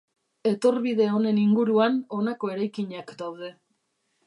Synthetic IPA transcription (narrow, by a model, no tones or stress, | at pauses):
e̞t̪o̞ɾβiðe̞o̞ne̞niŋɡuɾuano̞nako̞e̞ɾajkiɲakd̪awð̞e̞